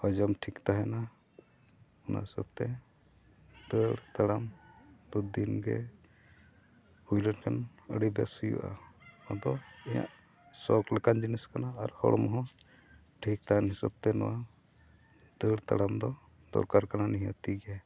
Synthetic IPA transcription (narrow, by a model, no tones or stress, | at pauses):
ɔd͡ʒɔmʈʰikt̪aɦɛna | ɔna̰ɦisa̰b̚t̪ɛ | d̪əɽt̪aɽamd̪ud̪inɡɛ̰ | hujlənkʰan | əɽibɛ̰sujṵʔa̰ad̪ɔɛja̰ʔ | sɔkləkand͡ʒiniskanaːɾhɔ̰ɽɔmɔɦɔ̃ | ʈʰik̚t̪aɦɛnɦisab̚t̪ɛnɔwa | d̪̥əɽt̪a̰ɽamd̪ɔ | d̪ɔ̰ɾkaɾkananiɦɔt̪iɡa